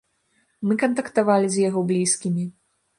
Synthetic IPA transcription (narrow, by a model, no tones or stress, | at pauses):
mɨkɐnt̪ɐkt̪avalʲizʲjaɣɔblʲiskʲimʲi